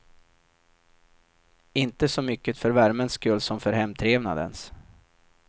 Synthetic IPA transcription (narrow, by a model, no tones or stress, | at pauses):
ɪnt̪əsɔmʏkːət̪fœɾvæɾmənskɵlːsɔmfœɾhɛmt̪ʰɾeːvna̰d̪ə̰ns